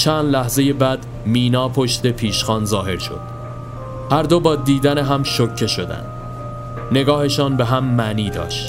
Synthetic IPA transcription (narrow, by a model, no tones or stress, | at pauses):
t͡ʃʰænd̪læhze̞jebæd̪ | miːnɒːpʰoʃt̪e̞pʰiːʃxɒːnzɒːɦe̞ɾʃo̞̰d̪̥ | hæɾd̪obɒːd̪iːd̪æneɦæmʃocʰːe̞ʃo̞d̪æ̰nd̪̥ | ne̞ɡɒːhe̞ʃɒːnbe̞ɦæmːæniːd̪ɒ̰ːʃt̪